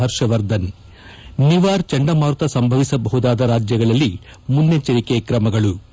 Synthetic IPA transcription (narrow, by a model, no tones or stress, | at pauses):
ɐɾʂɐʋɐɾd̪ɐn | niʋaːɾt͡ʃɐɳɖɐmaːɾt̪ɐsɐmbʱɐʋisɐbɐɦud̪aːd̪ɐɾaːd͡ʒjɐɡɐɭɐlːi | munːet͡ʃɐɾikeːkɾɐmɐɡɐɭu